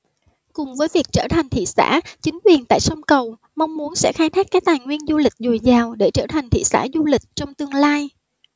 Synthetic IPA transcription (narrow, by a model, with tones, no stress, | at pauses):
kʊ˨˩ŋ͡mvəː˨˦jvi˨˩ək̚t͡ɕəː˧˩t̪ʰa˨˩jŋ̟t̪ʰḭ˧˨sa̰ː˧˥t͡ɕï˨˦ŋ̟kwi˨˩ənt̪a̰ː˧˨jsɔ˧ŋ͡mkə˨˩w | ma˧wŋ͡mmu˨˦ənsɛ̰˧˥xaː˧jt̪ʰaː˦˥k̚ːaː˦˥k̚t̪aː˨˩jŋwi˧ənzu˧lï˨˩k̟̚zu˨˩əjzaː˨˩wɗe˧˩t͡ɕəː˧˩t̪ʰa˨˩ŋ̟t̪ʰḭ˧˨sa̰ː˧˥zu˧lï˨˩k̟̚t͡ɕɔ˧wŋ͡mt̪ɨ˧əŋlaː˧j